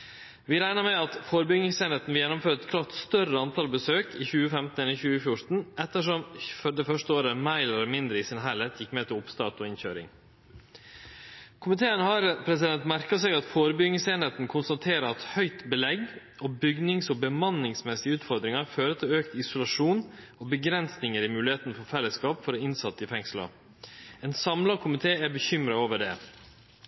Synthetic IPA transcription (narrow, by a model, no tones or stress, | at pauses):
ʋɪːɾæɪnəɾmɛɑt̪foːɾəbʏɡnɪŋseːneːt̪n̩ʋɪljɛnːʊmføːɾəɛt̪kʰlɑːʈ̪st̪œrəɑnt̪ʰɑːlbəsøːkiːçʉːəfɛmt̪n̩ɛlːəçʉːəfjʊɾt̪n̩ʔɛt̪ːəʂɔmfɔɖ̪ɛfœʂtəoːɾəmæɪlɛlmɪnd̪ɾəɪsɪnɦælɛt̪ʰjɪkːmɛːt̪ʰɪlʊpst̪ɑːt̪ɔɪnçø̰ːɾɪ̰ŋ | kʰʊmɪt̪ʰeːənhɑːɾpʰɾɛsɪd̪ɛnt̪mæɾkɑseːɡɑt̪foːɾəbʏɡnəseːnheːt̪n̩kʰʊnst̪ɑt̪ʰeːɾəɑt̪hœʏt̪bəlɛɡ | ʔɔbʏɡnɪŋsɔbəmɑnːɪŋsmɛsɪəʉːt̪fɔɾd̪ɾɪŋɑɾføːɾət̪ʰɪløːkt̪ɪsʊlɑʂuːn | ɔːbəɡɾɛnsnɪŋəɾɪmʉːlɪheːt̪nfɔɾfɛlːəskɑːpfɔɾɔɪnsɑt̪ːəɪfɛŋslɑ̰ | ɛːnsɑmlɑkʰʊmɪt̪ʰeːæbəçʏmɾɑoːʋəɖɛː